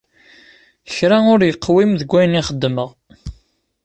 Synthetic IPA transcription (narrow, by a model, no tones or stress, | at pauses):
çɾæʊɾjəqːwimðəɡʷːæjniχəd̪ːməʁ